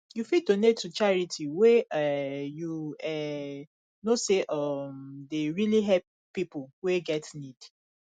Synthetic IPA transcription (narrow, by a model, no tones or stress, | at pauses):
jufidonetːut͡ʃaɹitʰiweɛjuɛ | noseʔɔmdeɹiliɦɛp̚ | pːipoweɡɛtnid̥